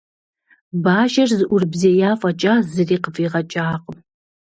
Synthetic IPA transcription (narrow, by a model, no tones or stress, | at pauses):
baːʒɐrzɨʔʷʊrbzeːjaːfʼɐt͡ʃʼaːzɨriːqəfiːʁɐt͡ʃʼaːqʼəm